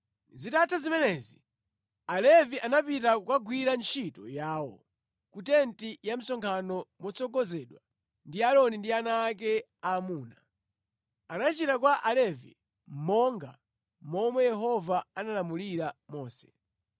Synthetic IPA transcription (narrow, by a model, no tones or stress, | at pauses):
zitatʰazimɛnɛzi | alɛviʔanapitakwaɡwiɾant͡ʃʰitɔ̰jaːwɔ | kutɛntijam̩sɔŋkʰanɔmɔt͡sɔɡɔzɛɗwa | ndiaɾɔnindianaːk̬ɛ | amuːna | anat͡ʃitakwaʔalɛvḭ | m̩mɔŋɡa̰ | mɔmwɛjɛɦɔvaanalamuliɾamɔːsɛ̥